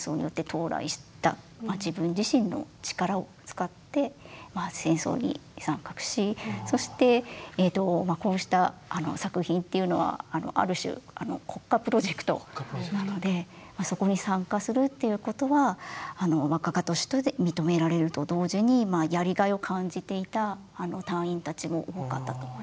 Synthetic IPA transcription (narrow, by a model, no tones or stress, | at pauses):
so̞ːɲ̟ḭjo̞t̪ːe̞t̪ʰo̞ːɾa̰ḭɕi̥t̪a̰ | mad͡ʑibɯ̟̃ɲd͡ʑiɕĩnːo̞̰t͡ɕi̥kaɾao̞t͡sɨ̥kat̪ːe̞masẽ̞ɰ̃so̞̰ːɲ̟ḭsãŋkakɯ̟̥ɕiso̞ɕi̥t̪e̞ːt̪o̞mako̞ːɕi̥t̪aano̞̰sakɯ̟çĩnt̪ːe̞iɯ̟no̞βa̰ːno̞̰ʔa̰ɾɯ̟ɕɨ̰ano̞̰kʰo̞kːapɯ̟ɾo̞ʑe̞kɯ̟̥t̪o̞̰nano̞d̪e̞ | maso̞ko̞ɲ̟isãŋkasɨɾɯ̟t̪ːe̞jɯ̟ko̞t̪o̞βaːno̞βakaɡat̪o̞ɕi̥t̪od̪emʲit̪o̞me̞ɾaɾe̞ɾɯ̟t̪o̞d̪o̞ːʑiɲ̟imajaɾʲiɡaio̞kʰãɲ̟d͡ʑit̪e̞it̪aː | no̞t̪ãɰ̃ĩnt̪at͡ɕimo̞ʔoɡoka̰t̪ːat̪o